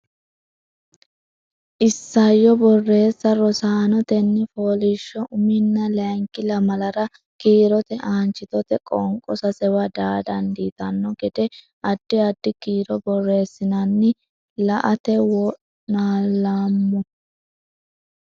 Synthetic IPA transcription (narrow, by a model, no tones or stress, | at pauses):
ʔɪsːɐjːɔbɔrːe̞ːsːɐɾɔsaːnɔt̪ɛnːɛfoːlɪʃːɔʔʊmɪnːɐlɐŋkːɪlɐmɐlɐɾɐ | kiːɾɔt̪ɛʔaːnt͡ʃːɪt̪ɔt̪ɛkʼɔŋkʼɔsɐsɛwɐd̪aːd̪ɐnd̪iːt̪ɐnːɔɡɛd̪ɛ | ɐd̪̥ːɪɐd̪ːɪkiːɾɔbɔrːe̞ːsːɪnɐnːɪ | lɐʔɐt̪ɛwɔʔ | naːlaːmːɔ